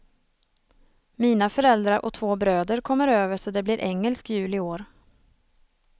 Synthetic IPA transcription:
miːnafœɾɛld̪ɾaɾʔɔ̰t̪ʰvoːbɾøːd̪əɾkʰɔmːəɾøːvəʂɔd̪ɛbliːɾʔɛŋːəlskjʉ̟ːlɪoːɾ

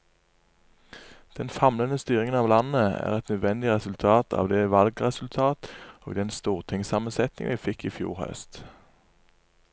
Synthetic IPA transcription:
d̪̥ɛnfɑmlənəst̪yːʁɪŋənɑːʋlɑnəæ̰ːʁɛt̪nœd̪ʋɛnd̪ɪʁɛsʉlt̪ʰɑːt̪ʰɑ̰ːʋd̪eːʋɑlɡʁɛsʉlt̪ʰɑːt̪o̰ːɡd̪ɛnst̪uːʁt̪ʰɪŋsɑːmənsɛt̪nɪ̰ŋʋiːfɪkiːfjṵːʁhœ̰st̪

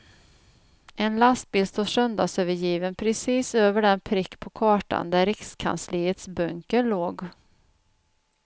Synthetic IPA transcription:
ʔɛnlast̪̚bɪːlst̪osœnd̪asøːvəɾjiːvənpʰɾɛsiːsøːvəɖɛnpʰɾɪkːpʰɔkʰɑːʈa̰nd̪æɾɪkskʰa̰nsliːət̪sbɵŋkəloːɡ

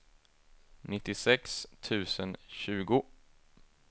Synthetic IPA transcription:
nɪt̪ːɪsɛkst̪ʰʉ̟ːsənɕʉ̟ːɡʊ

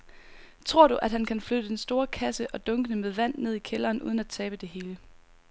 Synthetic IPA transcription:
t͡sʰʁo̝ɐ̰ɾ̥uʔæd̥hænkʰænflød̥əd̥ensd̥o̝ːɐkʰæsəʔɒ̽d̥ɔ̽ŋɡ̥ənəmeðˠʋæn̰ne̝ð̞̰ˠikʰelɐːnʔṵːð̞ˠənæt͡sʰɛːb̥əd̥e̝ɦe̝ːlə

